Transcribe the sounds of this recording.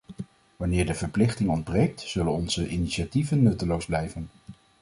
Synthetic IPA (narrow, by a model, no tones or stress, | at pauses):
ʋɑnɪːɹdəvəɹplɪχtɪŋɔnd̚brejk̚tz̥ɵlənɔnz̥əʔiniʃativənːɵtəlowzblɛjvən